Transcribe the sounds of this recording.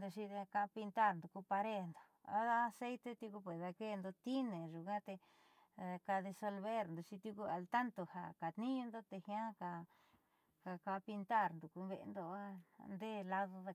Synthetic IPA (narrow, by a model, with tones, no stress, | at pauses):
nd̪u˧ʃi˧ða˧ka˧pi˧nt̪a˦˨ɾnd̪u˨ku˧pa˧ɾe˦˨nd̪o˨a̰˧a˦˧se˦jt̪e˦˧t̪ju˧ku˧pe˨ða˧ke˦˧nd̪o˧t̪i˦nẽ˨ʒu˨kã˦t̪e˧ | a˧ka˧ðe˧so˧lβe˦ɾnd̪u˧t͡ʃi˧t̪ju˧ku˧a˧lt̪a˦nt̪o˨ha̰˨ka˨t̪nĩ˦ɲũ˧nd̪o˦t̪e˧hj̃ã˦ka˨ | ka˧ka˧pi˧nt̪a˦˨ɾnd̪u˨ku˧βḛ˧nd̪o˧˦a˧nd̪e˦˨la˧ðo˧ða˧